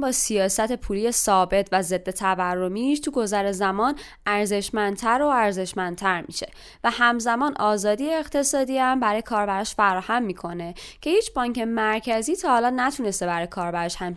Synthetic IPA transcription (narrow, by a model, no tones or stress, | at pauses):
bɒːsijɒːsæt̪ʰe̞pʰuːlijesɒːbe̞t̪ʰvæze̞d̪ːe̞t̪ʰævæɾːo̞miːʃt̪ʰuɡo̞zæɾezæmɒːn | ʔæɾze̞ʃmænd̪t̪ʰæɾoæɾze̞ʃmænd̪t̪ʰæɾmḭʃe̞ | væhæmzæmɒːnʔɒːzɒːd̪ijeːɣt̪ʰe̞sɒːd̪iːæmbæɾɒːjekʰɒːɾbæɾɒʃfæɾɒːhæmːiːkʰo̞ne̞cʰe̞hiːt͡ʃʰbɒːɲcʰemæɾcʰæziːt̪ʰɒːhɒːlɒːnæt̪ʰune̞st̪e̞bæɾɒːjekʰɒːɾbæɾɒʃhæm